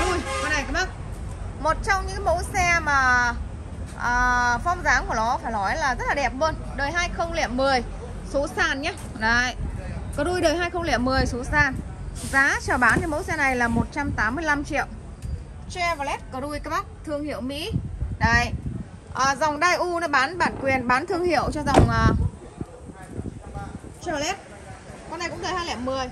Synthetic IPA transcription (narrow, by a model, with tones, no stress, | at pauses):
ɗu˧jɔ˨˧˦na˨˧˩jkaː˨˦˥ɓaː˦˥k̚mo˨˩t̚t͡ɕɔ˧wŋ͡mɲɨ̰˧˥kmo̰˧˥jsɛ˧maː˨˩ | ʔəː˨˩fɔ˧wŋ͡mzaː˨˦ŋku˧˩ənɔ˨˦faː˧˩jlɔ˨˦jlaː˨˩zə˦˥t̚laː˨˩ɛ˨˩p̚lə˧n | ɗəː˨˩jɦaː˧jxə˧wŋ͡mlḭ˧˨əmːɨ˨˩əj | so˨˦saː˨˩nɲaː˨˦ | ɗə˨˧˩jkəː˨˩ɗu˧jɗəː˨˩jɦaː˧jxə˧wŋ͡mlḭ˧˨əmːɨ˨˩əjso˨˦saː˨˩nzaː˨˦t͡ɕɔː˨˩ɓaː˨˦nɲɨ˧˦mo̰˧˥jsɛ˧na˨˩jlaː˨˩mo˨˩t̚t͡ɕa˧mt̪aː˨˦mːɨ˧əjla˧mt͡ɕḭ˧˨əw | t͡ɕɛ˧vlɛ˦˥t̚kɔː˨˩ɗu˧jkaː˦˥ɓa˦˥k̚t̪ʰɨ˧əŋhḭ˧˨əwmḭ˧˥ɗə˧˩jʔəː˨˩za˨˩wŋ͡mɗaː˧jʔu˧nɔ˨˦ɓaː˨˦nɓaː˨˩nkwi˨˩ənɓaː˨˦nt̪ʰɨ˧əŋhḭ˧˨əwt͡ɕɔ˧za˨˩wŋ͡mʔəː˨˩ | t͡ɕɛ˧˨lɛ˦˥t̚ | kɔ˧nːa˨˩kʊ̰˧˥ŋ͡mɗəː˨˩haː˧jlɛ˧˨˩p̚mɨ˨˩əj